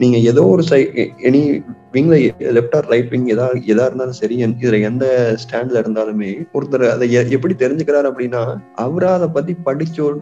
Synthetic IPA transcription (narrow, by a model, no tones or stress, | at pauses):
niːŋɡɐɛðoːɔɾɯsɐɪɛniʋɪŋɡlɐlɛpʈaːɾɾɐɪpːɪŋɡɛðaːɛðaːɪɾɯnd̪aːlɯsɐɾɪjɐnɪðɪlɐɛnd̪ɐsʈaːɳɖlɐɪɾɯnd̪aːlɯmeːɔɾɯt̪ːɐɾɐðɐɛɛpːɐɽit̪ɛɾɪɲd͡ʒɯkːɪɾaːɾɐpːɐɽɪnːaːɐʋɐɾaːɐðɐpɐt̪̬ːipɐɽɪt͡ʃːo